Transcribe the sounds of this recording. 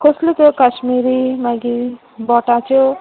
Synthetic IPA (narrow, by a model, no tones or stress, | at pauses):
koslut̪okaʃmiɾimaɡi | bɔʈat͡ʃo